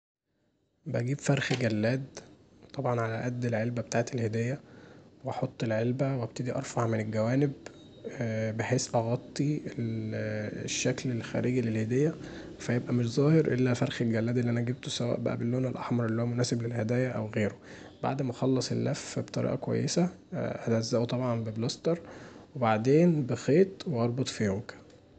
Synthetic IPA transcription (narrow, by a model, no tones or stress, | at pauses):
bæɡiːbfæɾˤxɡælːæːd̪ | t̪ˤɑbʕɑnʕalæʔæd̪ːelʕelbæbet̪aːʕet̪elhed̪æːjːæweɑħot̪ˤːelʕelbæwæb̚t̪ed̪iʔɑ̰ɾˤfɑʕmenelɡæwæːneb | beħeːsʔɑɣɑt̪ˤːiel | ʃːæklelxæ̰ːɾiːɡilelhed̪æːjːæfæjebʔæmeʃzˤæːheɾʔelːæfæɾˤxelɡælːæːd̪ʔelːiʔænæʔæɡeb̚t̪osæwæ̰ːʔbæ̰ʔæ̰belːoːnelʔɑ̰ħmɑɾˤʔelːihowːæmonæːseblelhæd̪æːjæʔæwɣeːɾo | ba̰ʕd̪mæʔxɑlːɑsˤelːæfbet̪ˤɑɾḭːʔɑkowæ̰jːesæʔælæzːæːʔot̪ˤɑbʕɑnbeblɑst̪ɑɾˤwebaʕd̪eːnbexeːt̪weʔɑɾˤbot̪ˤfijomkæ̥